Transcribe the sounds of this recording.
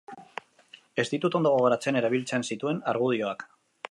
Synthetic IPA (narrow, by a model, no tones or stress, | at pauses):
e̞st̪it̪ut̪o̞nd̪o̞ɣo̞ɣo̞ɾat͡se̞ne̞ɾaβ̞ilt͡se̞nsit̪ue̞naɾɣ̞uð̞io̞ak